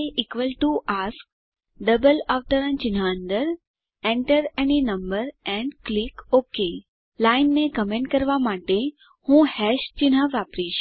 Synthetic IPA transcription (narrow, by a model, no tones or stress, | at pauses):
eʔikʋəlʈuʔask̚ | ɖəbəlaʋʈəɾə̃nt͡ʃinaənd̪əɾ | ẽɳʈəɾeninəmbəɾɛ̃ɳɖklikoke | lainːekəmẽɳʈkəɾʋamaʈe | hũhɛʃt͡ʃinɦaʋapɾiʃ